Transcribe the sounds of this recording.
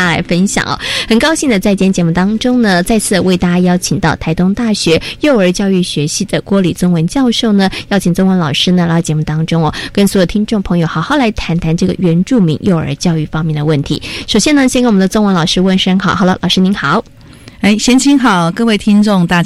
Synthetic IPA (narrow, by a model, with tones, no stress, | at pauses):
a˥la̰˧˥ɪfə˥nɕjɑ̰˨˩˦ŋɔ̰˨˩xə˨˩nkɑ˥ʊɕi˥˩ŋd̪ə˩t͡sa˥˩ɪt͡ɕjɛ˧˥nt͡ɕjɛ˧˥mu˥˩t̪ɑ˥ŋʈ͡ʂʊ˥ŋnə˨t͡sa˥˧ɪt͡sʰɹ̩˥˩we˥˩ɪt̪a˥˩t͡ɕja˥˧jɑ˥ʊt͡ɕʰi˨˩ŋt̪ɑ˥˩ʊt̪ʰa˧˥ɪt̪ʊ˥ŋt̪a˥˩ɕɥɛ˧˥jo˥˩ʊə˞˧˥t͡ɕjɑ˥˧ʊy˥˩ɕɥɛ˧˥ɕi˥˩d̪ə˨˩kwɔ˧˥li˨˩t͡sʊ˥ŋwə˧˥nt͡ɕjɑ˥˧ʊʂo˥˩ʊnə˩jɑ˥˧ʊt͡ɕʰi˨˩ŋt͡sʊ˥ŋwə˧˥nlɑ˨˩ʊʂɻ̩˥nə˨lɑ˥˩t͡ɕjɛ˧˥mu˥˩t̪ɑ˥ŋʈ͡ʂʊ˥ŋɔ˨˩kə˥nsu˧˥o˨˩t̪ʰi˥nʈ͡ʂo˥˩ŋpʰɤ˧˥ŋjo˨˩ʊxɑ˨˩ʊxɑ˥˩ʊla˧˥ɪt̪ʰa˧˥nt̪ʰa˧˥nʈ͡ʂɤ˥˩ɡə̰˩ɥɛ˧˥nʈ͡ʂu˥˩mḭ˧˥ŋjo˥˩ʊə̰˞˧˥t͡ɕjɑ˥˧ʊy˥˩fɑ˥ŋmjɛ˥˩nd̪ə˩wə˥˩nt̪ʰḭ˧˥ʂo˨˩ʊɕjɛ˥nə˨ɕjnknwnd̪ə˧t͡sʊ˥ŋwə˧˥nlɑ˨˩ʊʂɻ̩˥wə˥˩nʂə˥ŋxɑ˨˩ʊxɑ˨˩lə̰˧lʔɑ˨˩ʊʂɻ̩˥ni˧˥nxɑ˨˩˦ʊ | e˥˩ɪɕjɛ˥nt͡ɕʰi˧˥ŋxɑ˨˩ʊkɤ˥˧we˥˩ɪt̪ʰi˥ŋʈ͡ʂʊ˥˧ŋt̪a˥˩